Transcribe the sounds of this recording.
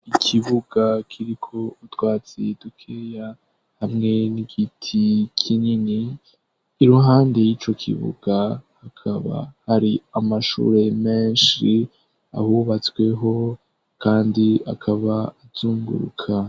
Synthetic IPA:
ikʰiβuɡ̥akʰiɾikʰo̞utwaːt͡sidukʰeja | hamŋe̞niɡitʰikʰiɲiniː | ɾuɦaːnde̞jit͡ʃo̞kʰḭβṵɡ̥ahakʰaβa̰haɾiamaʃṵːɾe̞me̞ːnʃi | a̰huβat͡sɡwe̞ɦo̞ | kaːndia̰kʰaβaːz̥uːŋɡṵɾṵkʰa

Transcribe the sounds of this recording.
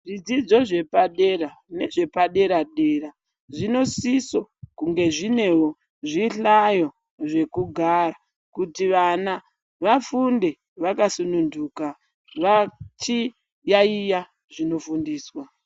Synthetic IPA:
ʐid͡zid͡zo̞ʐe̞paɗe̞rane̞ʐe̞paɗe̞ɾaɗe̞ːɾa | ʐino̞siso̞kuŋɡe̞ʐine̞wo | ʐiɬajo | ʐe̞kuɡʱaɾa | kutiʋana | ʋafunde̞ | ʋakasununduːka | ʋat͡ʃi | jaija | ʐino̞fundiːswa

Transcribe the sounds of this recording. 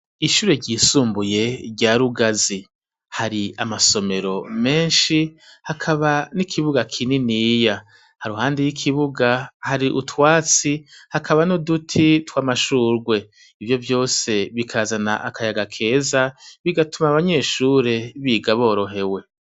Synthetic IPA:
iʃuːɾe̞ɟiːsuːmbuje̞ɾɟaɾuɡazi | haɾia̰maso̞me̞ɾo̞me̞ːnʃihakʰaβanikʰiβuɡakʰininija | haɾuhaːndijikʰiβuɡahaɾiʔutwaːt͡sihakʰaβanodutʰitwaːmaʃuːɾɡwe̞ | ivjo̞vjo̞ːse̞βikʰaːzana̰ʔakʰajaɡakʰe̞ːzaβiɡatumaβaɲe̞ːʃuːɾe̞βiːɡaβo̞ːɾo̞ɦe̞we̞

